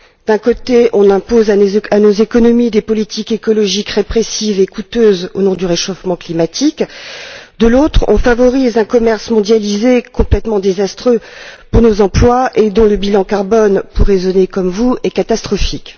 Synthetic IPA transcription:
d̪ɛ̃kot̪eʔɔ̃nɛ̃pozaanozekɔnɔmid̪epɔlit̪ʰikekɔlɔʒikʁepχesivekut̪øzo̰nɔ̃d̪yʁeʃofmɑ̃klimat̪ik | d̪əlot̪χɔ̰̃favɔʁizɛ̃kɔmɛʁsmɔ̃d̪jalizekɔ̃plɛt̪mɑ̃d̪ezast̪χøpuʁnozɑ̃plwaʔed̪ɔ̃ləbilɑ̃kaʁbɔnpuʁːezɔnekɔmvuɛkat̪ast̪χɔfik

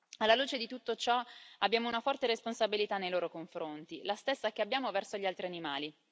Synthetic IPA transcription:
alːaluːt͡ʃed̪it̪ut̪ːot͡ʃɔabːjaːmounafɔrt̪eɾesponsabilit̪anːejloːɾokoɱfɾont̪ilast̪esːak̟eabːjaːmovɛrsoʎialt̪ɾianima̰ːli

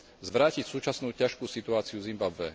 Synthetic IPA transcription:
zʋɾaːcicsuːt͡ʃasnuːcaʃkuːsit̪uaːt͡siuvzimbabʋɛ̰

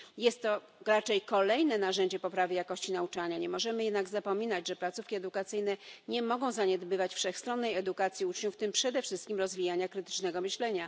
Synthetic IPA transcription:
jɛst̪ːɔ | ɾat͡ʂɛjkɔlɛjnɛnaʐɛɲd͡ʑɛpɔpɾavʲjejakɔɕt͡ɕinaut͡ʂaɲaɲɛmɔʐɛmɘjɛd̪naɡzapɔmʲinad͡ʑʐɛplat̪sufkʲiɛd̪ukat̪sɘjnɛɲɛmɔɡɔ̃w̃zaɲɛd̪bɘvat͡ɕfʂɛxst̪ɾɔnːɛjɛd̪ukat̪sʲjiut͡ʂɲuft̪ɘmpʂɛd̪ɛfʂɘst̪̚kʲimɾɔzvʲijaɲakɾɘt̪ɘ̥t͡ʂnɛɡɔmɘɕlɛɲa

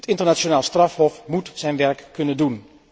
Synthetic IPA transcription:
ətɪntərnasjonaːlˠstrafhɔfmutsɛjnʋɛrkkːɵnəndun

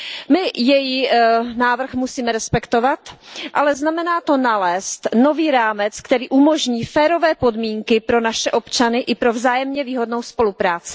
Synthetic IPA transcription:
mɪjɛjinaːvr̩xmusiːmɛɾɛspɛkt̪o̞vat̪ʔalɛznamɛnaːt̪o̞nalɛːst̪no̞viːɾaːmɛt͡skt̪ɛɾiːʔumo̞ʒɲiːfɛːɾo̞vɛːpo̞dmiːŋkɪpɾo̞naʃɛʔo̞pt͡ʃanɪʔɪpɾo̞vzaːjɛmɲɛviːɦo̞dno̞wspo̞lupɾaːt͡sɪ̥

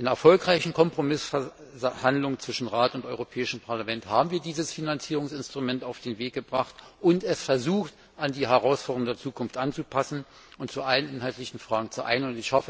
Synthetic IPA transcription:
ʔɪnɐɛɐfɔlkʁaɪçn̩kʰɔmpʁ̥omɪs | handlʊŋənt͡sv̥ɪʃn̩ʁaːtʊntɔʏʁopʰɛːɪʃəmpʰaɐlamɛnthaːbm̩viːɐdiːzəsfinant͡siːʁʊŋsɪnstʁ̥umɛntaʊfd̥eːnveːk̚ɡ̥əbʁaχtʔʊntɛsfɛɐzuːxt | ʔandiːɦɛʁaʊsfɔːɐdŋdeɐt͡suːkʰʊnftʔant͡supʰasn̩ | ʔʊntt͡suʔalənʔɪnɦaltlɪçn̩fʁ̥aːɡŋ̩t͡suʔa̰ɪnənʊntɪçʃafə

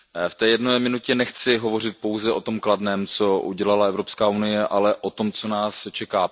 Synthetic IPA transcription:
ft̪ɛːjɛdnojmɪnucɛnɛxt͡sɪɦovo̞r̝ɪt̪̚po̞wzɛʔo̞t̪omkladnɛːmt͡so̞ʔṵɟɛlalaɛvɾo̞pskaːunɪjɛʔalɛʔot̪o̞mt͡so̞naːst͡ʃɛkaː

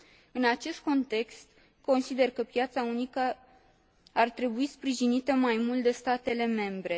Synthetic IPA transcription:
ɨnat͡ʃe̞st̪̚ko̞nt̪e̞kst̪ | ko̞nsid̪e̞rkəpjat̪saunikə | art̪ɾe̞buispɾiʒinit̪əmajmult̪̚d̪e̞st̪at̪e̞le̞me̞mbɾe̞

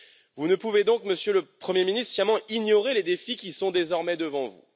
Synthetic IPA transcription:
vunəpuved̪ɔ̃kməsjøləpχəmjeminist̪sjɛʁmɑ̃iɲjɔʁeled̪efikʲisɔ̃d̪ezɔʁmɛd̪əvɑ̃vṵ

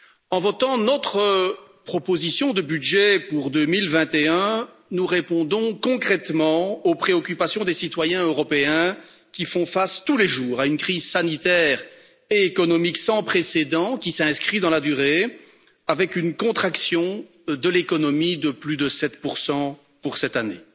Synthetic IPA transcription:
ɑ̃vɔt̪ɑ̃nɔt̪χəpχɔpozisjɔ̃d̪əbyd̪ʒɛpuʁd̪ømilvɛ̃t̪eɛ̃ | nuʁepɔ̃d̪ɔ̃kɔ̃kχɛt̪mɑ̃opχeɔkʲypasjɔ̃d̪esit̪wajɛ̃øʁɔpeɛ̃ | kʲifɔ̃fast̪uleʒuːʁaynkχizsanit̪ɛːʁ | eekɔnɔmiksɑ̃pχesed̪ɑ̃kʲisɛ̃skχid̪ɑ̃lad̪yʁe | avɛkynkɔ̃t̪χaksjɔ̃ | d̪əlekɔnɔmid̪əplyd̪əsɛt̪puʁsɑ̃ | puʁsɛt̪anḛ

